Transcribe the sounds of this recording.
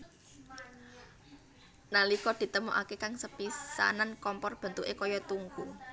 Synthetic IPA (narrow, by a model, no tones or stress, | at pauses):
nalikɔd̪̥i̤t̪əmuʔakekaŋsəpisa̰nankɔmpɔrb̥ə̤nt̪uʔekɔjɔt̪uŋku